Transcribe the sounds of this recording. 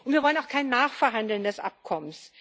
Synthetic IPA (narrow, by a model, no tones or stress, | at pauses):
ʔʊntv̥iːɐvɔlənaʊxkʰaɪnːaːχfɛɐɦandl̩ndɛsʔa̰p̚kʰɔməns